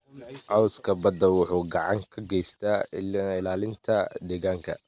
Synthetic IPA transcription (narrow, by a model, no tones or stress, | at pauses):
ʔɑwskʰɐbɐd̪ɐwʊħuːɡɑʕɑŋkʰɐɡɛjst̪ʰaːɪlaːlɪnt̪ʰɐd̪ɛːɣaːŋkʰɐ̰